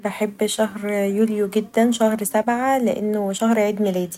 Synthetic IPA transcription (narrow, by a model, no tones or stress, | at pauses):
beħebːʃæhɾjuːljoɡɪd̪ːænʃæhɾsæbʕaleʔenːoʃæhɾʕiːd̪melæːd̪i̥